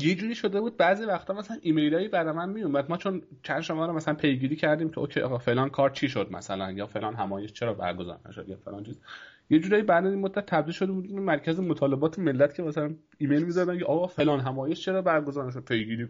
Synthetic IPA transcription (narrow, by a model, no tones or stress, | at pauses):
jed͡ʒuːɾiːʃo̞d̪e̞buːd̪̚bæːzivæxt̪ʰɒːmæsælænʔiːme̞jlɒːjibæɾɒmænmiomæd̪̚mɒːt͡ʃʰon | t͡ʃʰænd̪ʃomɒːɾɔmæsælænpʰe̞jɡiːɾiːcʰæɾd̪iːmcʲʰeʔoːkʰeʔɒ̰ːɣɒfe̞lɒːnkʰɒːɾt͡ʃʰiːʃod̪mæ̰sælænjɒfe̞lɒːnɦæmɒːje̞ʃt͡ʃʰe̞ɾɒːbæ̰ɾɡozɒ̰ːɾnæ̰ʃod̪jæfelɒːnt͡ʃʰiːzjed͡ʒuːɾɒːjibæd̪æinmod̪ːæt̪ʰːæbd̪ilʃod̪ebud̪iemæɾcʰæzemot̪ʰɒːle̞bɒːt̪ʰeme̞lːæt̪cʰe̞mæsælæn | iːme̞jlmizɒd̪æmkʰeʔɒːɣɒfelɒːnɦæmɒːjeʃt͡ʃʰe̞ɾɒːbæɾɡozɒːɾnæʃ̬od̪̚pʰe̞jɡiːɾiː